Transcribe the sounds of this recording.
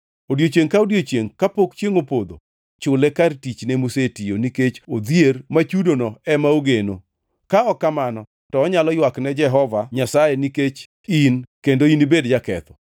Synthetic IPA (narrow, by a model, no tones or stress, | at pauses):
odjot͡ʃeŋkaodjot͡ʃjeŋkapokt͡ʃeŋopod̪o̰ | t͡ʃʊlɛkartit͡ʃnɛmusetioniket͡ʃod̪jermat͡ʃudonɔɛmaoɡeno | kaɔkːamanɔ | tɔːɲalɔjwaknɛd͡ʒɛɦɔvaɲasajɛniket͡ʃ | inkendoinibedd͡ʒakɛ̰t̪ɔ̥